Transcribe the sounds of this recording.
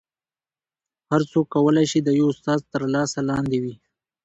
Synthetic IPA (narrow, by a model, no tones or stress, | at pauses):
haɾsokːawəlajʃid̪əjoʊst̪ɑzt̪əɾlɑsalɑnd̪ewi